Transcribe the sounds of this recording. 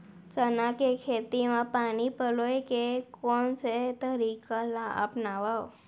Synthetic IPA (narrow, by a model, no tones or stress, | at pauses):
t͡ʃənakekʰeːt̪imãpaːnipəloekekɔːnset̪əɾikalaʔə̰pnaʋao